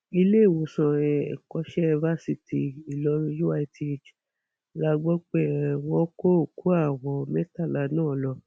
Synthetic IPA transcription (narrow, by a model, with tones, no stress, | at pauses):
i˧le˦˨wõ˨˧sã˧ɛ̰˨kɔ˧˦ʃɛ˦va˦si˧ti˨i˨lɔ˧˦˧ju˦a˧tʰi˦˨d͡ʒ | la˦ɡ͡bɔ˦k͡pɛ˦˨wɔ̃˦ko˦o˨ku˨˦a˦˨wɔ˨mɛ˦ta˦˨la˨˦nãː˦˨lɔ˧